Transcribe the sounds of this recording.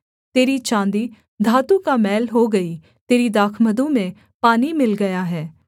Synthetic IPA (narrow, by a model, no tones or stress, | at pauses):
t̪eːɾit͡ʃãːnd̪iː | d̪ʱaːt̪ukamɛːlɦoːɡɐi | t̪eːɾid̪aːkʰməd̪ũmẽ | paːnimɪlɡɐjaɦɛː